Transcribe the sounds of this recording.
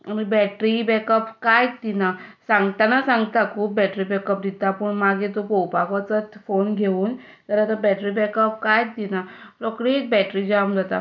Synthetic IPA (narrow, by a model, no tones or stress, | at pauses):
amibɛʈɾibɛkəpkajd̪inasãŋɡt̪anasãŋɡt̪akʰuːp̚ːɛʈɾibɛkəp̚d̪it̪apəɳmaɡit̪opɔwpaɡʋat͡sət̪fonɡʱeuːn | t̪əɾat̪abɛʈɾibɛkəp̚kajd̪inaɾɔkɽit̪bɛʈɾid͡ʑamd͡zat̪a̰